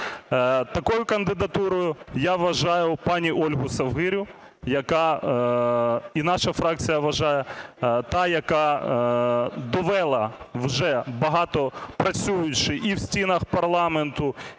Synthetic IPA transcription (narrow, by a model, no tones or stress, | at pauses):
t̪ɐkɔjʊkɐnd̪ɪd̪ɐt̪uɾɔjʊjaʋʋɐʒɑjʊpɑnʲiʔɔlʲɦʊsɐwɦɪɾʲʊ | jɐkɑ | inɑʃɐfɾɑk̚t͡sʲijɐʋɐʒɑjɛt̪ɑjɐkɑ | d̪ɔʋɛlˠɐʋʒɛbɐɦɑt̪ɔpɾɐt͡sʲujʊt͡ʃɪʔiwsʲtʲinɐxpɐrlˠɑment̪ʊ